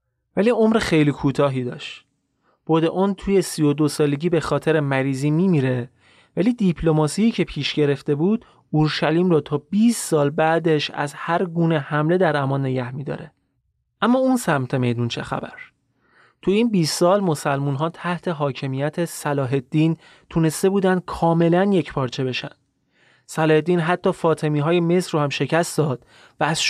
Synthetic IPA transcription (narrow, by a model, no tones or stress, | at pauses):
væliːomɾexejliːkʰuːt̪ʰɒːɦiːd̪ɒ̰ːʃt̪ | b̥od̪eʔont̪ʰuːje̞sijo̞d̪o̞sɒːle̞ɟiːbe̞xɒːt̪ʰe̞ɾemæɾiːziːmimiːɾe | væliːd̪ipʰlo̞mɒːsiːcʰe̞pʰiːʃɟe̞ɾe̞ft̪e̞buːd̪̥ | uɾʃæliːmrɔːt̪ʰɒːbiːst̪sɒːlbæːd̪e̞ʃæ̰zhæɾɡuːne̞hæmle̞d̪æɾæmɒːnːe̞ɟæhmiːd̪ɒ̰ːɾe̞ | ʔæmːɒːunsæmt̪ʰe̞me̞jd̪unt͡ʃʰe̞̰xæ̰bæ̰ɾ | t̪ʰuiːnbiːst̪sɒːlmo̞sælmunɦɒːt̪ʰæht̪ʰe̞ɦɒːcʰe̞mijæt̪ʰesælɒːɦe̞d̪̥ːiːn | t̪ʰune̞st̪e̞buːd̪ænd̪̥̚kʰɒːme̞lænje̞cʰpʰɒːɾt͡ʃʰe̞be̞ʃæ̰nd̪̥̚ | sælɒːhed̪ːiːnɦæt̪ʰːɒːfɒːt̪ʰe̞miːɦɒːje̞me̞sɾohæmʃe̞cʰæst̪d̪ɒːd̪̥ | væːz̥ʃ